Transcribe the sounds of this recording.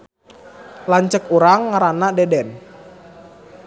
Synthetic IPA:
laɲt͡ʃəkuɾaŋːaɾanadɛdɛn

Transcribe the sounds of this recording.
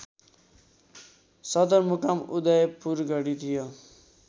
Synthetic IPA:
sʌd̪ʌɾmukamud̪ʌjpuɾɡʌɽit̪ʰijo

